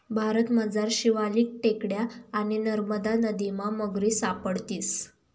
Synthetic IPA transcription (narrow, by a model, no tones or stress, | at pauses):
bʱaɾət̪məd͡zaɾɕiʋaliːk̚ʈekɽjaːɽ̃inəɾməd̪anəd̪imaməɡɾiːsapəɽt̪iːs